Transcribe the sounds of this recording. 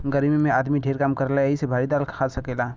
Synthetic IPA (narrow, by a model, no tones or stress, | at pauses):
ɡəɾmimẽaːd̪miɖʱeːɾkaːmkɐɾlaisebʱaːɾid̪aːlkʰkʰaːsɐkeːlaː